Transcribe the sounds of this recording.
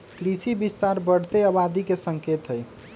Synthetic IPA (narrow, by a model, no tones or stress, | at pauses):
kɾisibist̪aɾbəɽ̤t̪eəβad̪ʱikesəŋket̪ɦəj